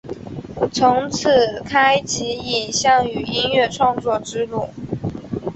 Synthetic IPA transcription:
t͡sʰʊ˧˥ŋt͡s̩ʰ˨˩kʰa˥ɪt͡ɕʰi˧˥i˨˩nɕjɑ˥˩ŋy˨˩i˥nɥɛ˥˧ʈ͡ʂʰwɑ˥˧ŋt͡swɔ˥˩ʈ͡ʂɻ̩˥lu˥˩

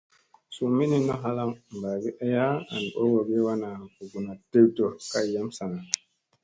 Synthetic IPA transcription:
su˨mi˦ni˦no˦ɦa˦la˦ŋm˨ba˨ɡi˦ʔe˦ja˦a̰˨n˨ɓo˦wo˨ɡi˦wa˦na˨ku˨ɡu˨na˨te˦wto˨ka˦˨ja˦msa˨ŋa˨

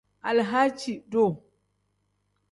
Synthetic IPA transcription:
ʔa˨lɦa˦t͡ʃi˨do˦˨

